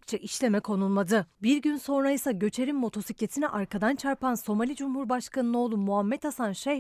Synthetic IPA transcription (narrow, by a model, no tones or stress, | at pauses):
k̚t͡ʃʰɛʔiʃlʲe̞mɛkʰo̞nulˠmad̪ɯbiɾɟynso̞nɾajɯsaɟø̞t͡ʃʰeɾinmo̞t̪ʰo̞sicʰet̪ʰinɛʔaɾkad̪ant͡ʃʰaɾpʰanso̞malʲid͡ʒumhuɾbaʃkʰanɯno̞lˠumuɦamːɛt̪asanʃe